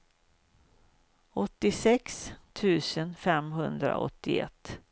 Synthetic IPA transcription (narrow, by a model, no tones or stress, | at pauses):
ɔt̪ːɪsɛkst̪ʰʉ̟ːsənfɛmɦɵnd̪ɾa̰ɔ̰t̪ːɪɛ̰t̪ː